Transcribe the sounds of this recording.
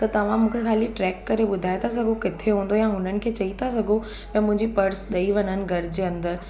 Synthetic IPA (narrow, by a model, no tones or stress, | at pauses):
t̪ɐt̪ɐʋ̤ãmũːkʰexaːliʈɾɛːkːɐɾeɓʊd̪ʱaːet̪ʰas̬ɐɡʱokɪt̪ʰeɦũːn̆d̪ojãɦʊnənɪ̆kʰeːt͡ɕɐit̪ʰas̬ɐɡʱo | pɛ̃ːmʊ̃ɦɪ̃ɲd͡ʑipɐɾsɗɐiʋɐnənɪ̆ɡʱɐɾd͡ʑeːɐ̃nd̪əɾ